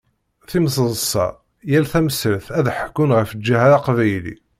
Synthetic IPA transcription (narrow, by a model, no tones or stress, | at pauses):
θims̬ˤəzˤsˤɑ̰ | jælθæməsəɾθæðħəkːʊnʁəfəd͡ʒːæɦæɾɑqvæjlḭ